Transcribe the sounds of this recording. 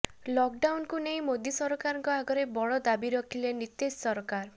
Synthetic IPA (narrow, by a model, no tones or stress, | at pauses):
lɔk̚ɖawnkunej̃mod̪jisɔɾɔkaɾɔŋkɔaɡɔɾebɔɭɔd̪abiɾɔkʰilenit̪essɔɾɔkaɾ